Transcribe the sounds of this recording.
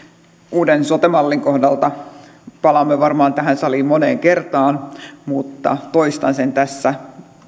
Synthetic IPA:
uːdensot̪emɑlːiŋko̞hdɑlt̪ɑ | pɑlɑmːeʋɑrmɑːnt̪æɦænsɑlimoneːŋkert̪ɑːnmut̪ːɑ̰t̪oist̪ɑnsent̪æsːæ

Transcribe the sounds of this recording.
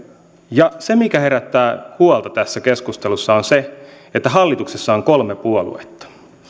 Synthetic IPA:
jɑse̞mikæhe̞ɾæt̪ːæːhuolt̪ɑt̪æsːækeskust̪e̞lusːɑonse | et̪ːæɦɑlːit̪uksesːɑoŋkolmepuolṵet̪ːɑ̥

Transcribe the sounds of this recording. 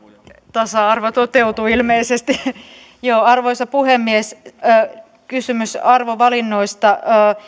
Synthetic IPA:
t̪ɑsɑɑrʋot̪ot̪eut̪uilmeisest̪i | joːɑrʋoisɑpuhemːiesː | kysymysɑrʋoʋɑlinːoist̪ɑː

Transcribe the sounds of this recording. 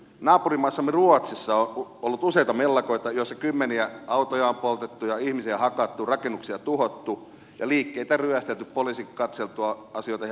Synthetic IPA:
nɑːpurimɑisːɑmːeruot̪sisːɑoolːut̪useit̪ɑmelːɑkoit̪ɑjoisːɑkymːeniæɑut̪ojɑːmpolt̪et̪ːujɑihmisiæhɑkɑt̪ːurɑkenːuksiɑt̪uhot̪ːu | jɑliːkːeit̪æryæst̪elt̪yppolisikɑt̪selt̪uɑɑsioit̪ɑ

